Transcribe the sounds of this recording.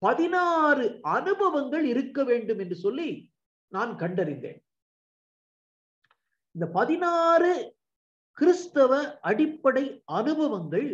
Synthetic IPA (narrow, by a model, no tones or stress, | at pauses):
pɐðɪnaːrɯɐnɯbɐʋɐŋɡɐɭɪɾɯkːɐʋeːɳɖɯmɛndrɯsɔlːi | naːnkɐɳɖɐɾɪnd̪ḛːn | ɪnd̪ɐpɐðɪnaːrɯ | kɪɾɯst̪ɐʋɐʔɐɽɪpːɐɽɐɪʔɐnɯbɐʋɐŋɡɐɭ